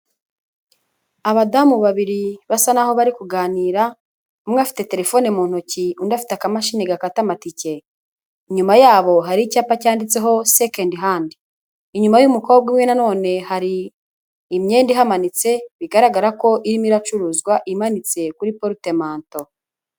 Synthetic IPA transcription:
aβadamuβaβiɾiβasanaho̞βaɾikuɡaːniːɾa | umŋeafi̥te̞te̞ɾe̞fo̞nemuːn̥huciundafi̥teakamaʃineɡakatamatice̞ | iɲumajaːβo̞ɦaɾicaːpacaːndit͡se̞ɦo̞sekendɦandiː | ɲumajumuko̞ːb̚ɡimŋwe̞nano̞ːne̞haɾiː | mɲe̞ːndiɦamanit͡se̞βiɡaɾaɡaɾako̞ʔiɾimiɾat͡ʃuɾuːzɡwaʔimanit͡se̞kuɾipoɾute̞maːnto̞

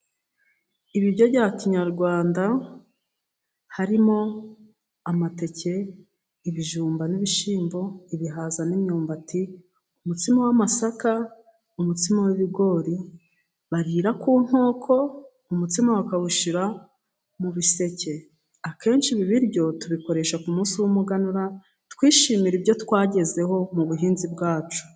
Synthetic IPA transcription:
iβiβjo̞ɟaːciɲaɾɡwaːnda | haɾimo̞ | amate̞ce̞ | iβiʒuːmbaniβiʃiːmbo̞iβiɦazanimɲoːmbati | umutimawamasaka | umutimawiβiɡo̞ːɾi | βaɾiːɾakuːn̥ho̞ːkʰo̞ | umutimawakaβuʃiɾa | muβise̞ce̞ | ake̞ːnʃiβiβiɾɟo̞tuβiko̞ɾe̞ʃakumuːnsiwumuɡanuɾa | tkwiːʃiːmiɾibjo̞tkwaːɟe̞ze̞ho̞muβuɦiːnzibɡaːt͡ʃu̥

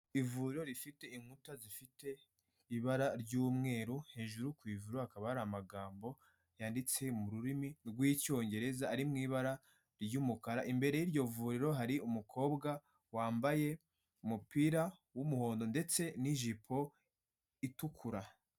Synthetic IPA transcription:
ivuːɾiɾo̞ɾifite̞iŋhutazifite̞ | iβaɾaɾɟuːmŋe̞ːɾuheːʒuɾukwiːvuɾoakaβahaɾaamaɡaːmbo̞ | jaːndit͡se̞muɾuɾiminɡwiːco̞ːɲɟe̞ɾe̞zaːɾimŋiːβaɾa | ɾɟuːmukaɾaʔimbe̞ɾe̞jiɾɟo̞vuɾiɾo̞ɦaɾiʔumukʰo̞ːbɡa | waːmbaje̞ | umupiːɾawumuho̞ːndo̞nde̞t͡se̞niʒipʰo̞ | itukʰuɾa

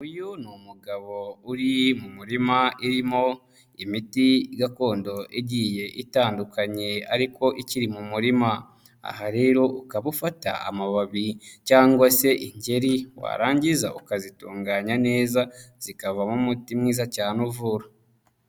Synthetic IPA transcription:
ujunumuɡaβo̞uɾimumuɾimaʔiɾimo̞ | imitiɡako̞ːndo̞ʔiɟije̞ʔitaːndukaɲe̞a̰ɾiko̞ʔiciɾimumuɾima | a̰haɾe̞ːɾo̞ʔukaβufata̰a̰maβaβicaːŋɡwase̞ʔiɲɟe̞ɾiwa̰ɾaːɲɟiza̰ʔukazituːŋɡaːɲane̞ːzaz̥ikavamumutimŋiːzacaːnuvuɾa

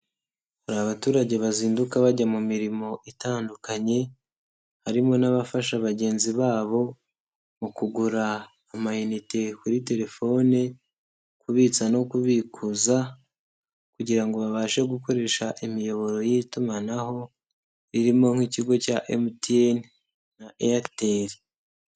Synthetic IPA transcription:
uɾaβatuːɾaɟe̞βaziːndukaβaɟamumiɾimo̞ʔitaːndukaɲe̞ | haɾimo̞naβafaʃaβaɟe̞ːnziβaːβo̞ | mukuɡuɾaː | majunite̞kuɾite̞ɾe̞fo̞ne | kuβiːt͡sano̞kuβikʰuza | kuɟiɾaŋɡo̞βaβaːʃe̞ɡuko̞ɾe̞ʃaʔimijo̞βo̞ɾo̞jitumanaho̞ | ɾiɾimo̞ŋ̥hiːciɡo̞caʔemutien | naʔeateɾi

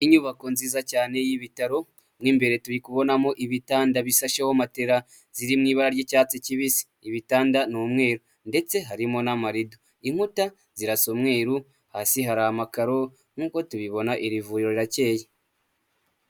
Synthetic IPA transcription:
iɲuβako̞nziːzacaːne̞jiβitaɾo̞ | mŋiːmbe̞ɾe̞tuɾikuβo̞namo̞ʔiβitaːndaβisaʃahomateɾa | ziɾimŋiːβaɾaɾjecaːt͡siciβisi̥ːβitaːndanomŋe̞ːɾu | nde̞t͡se̞ɦaɾimo̞namaɾido | im̥uta | ziɾasomŋe̞ːɾu | haːsiɦaɾahamakaɾo̞ | ŋ̥uːko̞tuβiβo̞naʔiɾivuɾiɾo̞ɾiɾace̞ːje

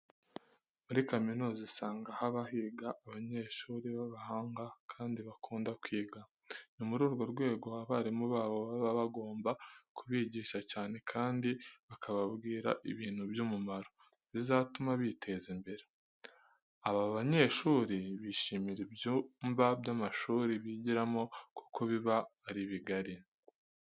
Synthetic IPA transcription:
muɾikaminuːzisaːŋɡahaβahiːɡaʔːβaɲe̞ːʃuːɾiβaβahaːŋɡakʰaːndiβakʰuːndakwiːɡa | numuɾuːɾɡo̞ɾɡwe̞ːɡo̞aβaɾimuβaːβo̞βaβaβaɡo̞ːmbakʰuβiːɟiːʃacaːne̞kʰaːndiβakʰaβabɡiːɾa̰ʔiβiːn̥hubjumumaɾo̞ | βizatumaβitʰe̞zimbe̞ɾe | aβaβaɲe̞ʃuːɾiβiːʃimiɾibjumbabjamaʃuːɾiβiɟiɾamo̞ku̥kʰo̞βiβaːɾiβiɡaɾi

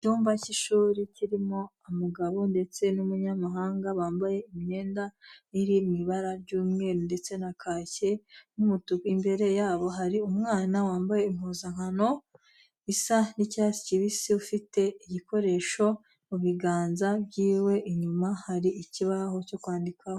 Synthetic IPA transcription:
cuːmvaciʃuːɾiciɾimo̞amuɡaβo̞nde̞t͡se̞numuɲamaɦaːŋɡaβaːmbaje̞imiɲe̞ːndaiɾimiβaɾaɾɟuːmŋe̞ːɾonde̞t͡se̞nakʰaːce̞numutukimbe̞ɾe̞jaːβo̞ɦaɾiumŋaːnawaːmbaje̞im̥huːzaŋhano̞ | isanicasi̥ciβisiufite̞iɟiko̞ɾe̞ʃo̞ | muβiɡaːnzabɟiːwe̞ʔiɲumahaɾiiciβaɦo̞co̞kwaːndikʰaho

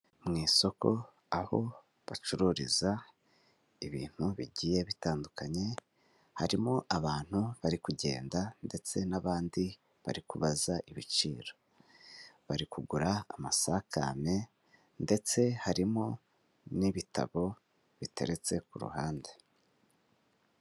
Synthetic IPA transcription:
mŋiːso̞ko̞ | aho̞̰ | βat͡ʃuɾuɾiza | iβḭːn̥huβiɟije̞βitaːndukaɲe̞ | haɾimo̞ʔaβaːn̥huβaɾikuɟe̞̰ːndande̞t͡se̞naβaːndi | βa̰ɾikuβazaʔiβit͡ʃiːɾo̞ | βaɾikuɡuɾaa̰masakʰa̰me̞ | nde̞t͡se̞haɾimo̞ | niβitʰa̰βo̞ | βitʰe̞̰ɾe̞t͡se̞kuɾṵhaːnde

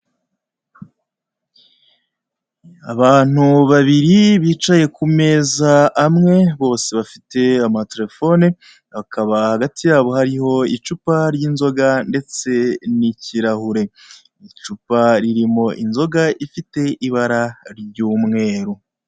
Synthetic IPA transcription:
a̰βaːn̥uβaβiɾiβiːt͡ʃaje̞kume̞ːzaːmŋe̞βo̞ːse̞βafi̥te̞amate̞ɾe̞fo̞ne | βakʰaβahaɡatʰijaːβo̞ɦaɾiho̞it͡ʃupaɾjinzo̞ɡande̞t͡se̞niciɾahuɾe̞ | it͡ʃupaɾiɾimo̞ʔinzo̞ɡaifite̞ʔiβaɾaɾɟuːmŋe̞ːɾu

